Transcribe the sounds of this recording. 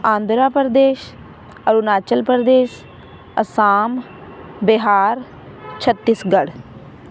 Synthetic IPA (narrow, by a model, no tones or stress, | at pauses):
ãːnd̪ɾaːpəɾd̪eːʃ | əɾunaːt͡ʃəlpəɾd̪eːʃ | ə̰saːm | bɪɦaːɾ | t͡ʃʰət̪ːisɡəɽ